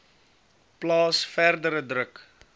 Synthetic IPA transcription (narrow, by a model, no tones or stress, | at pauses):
plɑːsfærdəɾədrək